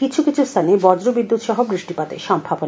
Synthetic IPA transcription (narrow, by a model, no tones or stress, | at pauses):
kit͡ɕʰukit͡ɕʰust̪ʰanebɔd͡ʑɾobid̪ːut̪ʃɔɦobɾiʃʈipat̪ḛʃɔmbʱabon